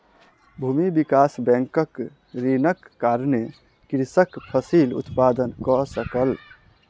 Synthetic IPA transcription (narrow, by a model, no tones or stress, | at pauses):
bʱumibikasbɛ̃ŋkək | ɾinəkːaɾne | kɾisəkpʰəsilṵt̪pad̪ənkɔsəkəl